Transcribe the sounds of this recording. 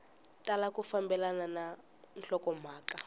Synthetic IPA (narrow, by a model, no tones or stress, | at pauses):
talakufambɛlanana | nɬɔkɔmaːka